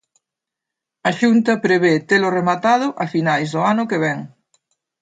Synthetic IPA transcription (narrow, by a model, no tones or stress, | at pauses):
ɐʃunt̪ɐpɾeβet̪elʊremat̪að̞ʊʔɐfinajzðʊanʊkeβɛŋ